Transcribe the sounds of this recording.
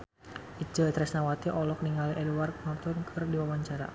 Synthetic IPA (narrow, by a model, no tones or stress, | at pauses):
id͡ʒət̪ɾɛsnawat̪iʔɔlɔk̚niŋaliʔɛdwark̚mɔrt̪ɔnkʰɨrdiwawaɲt͡ʃaɾa̰